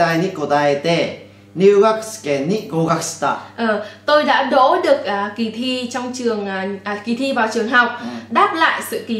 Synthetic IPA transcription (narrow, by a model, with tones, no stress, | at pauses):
a˧jni˦˥ko˨˩t̪a˧e˧t̪e˧˩ | nu˧ɣa˦˥kskɛ˨nːi˦˥ɡo˧ɣa˧k̚st̪a̰˧˩ʔəː˨˩t̪o˧jɗa̰ː˧˥ɗo̰˧˥ɗɨ˨˩ək̚ʔaː˨˩ki˨˩t̪ʰi˧t͡ɕɔ˧wŋ͡mt͡ɕɨ˨˩əŋʔːʔki˨˩t̪ʰi˧vaː˨˩wt͡ɕɨ˨˩əŋɦa˨˩wk͡p̚ɗaː˦˥p̚la̰ː˧˨jsɨ̰˧˨ki˨˩